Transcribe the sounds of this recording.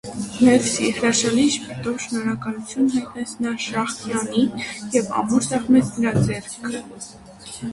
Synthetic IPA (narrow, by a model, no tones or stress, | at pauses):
mɛɾsihɾɑʃɑliʃpʰɛt̪ɔvʃənɔɾɑkɑlut͡sʰjunɦɑjt̪nɛt͡sʰnɑʃɑχt̪jɑnijɛvɑ̰muɾsɑʁmɛt͡sʰnəɾɑd͡zɛɾkkʰə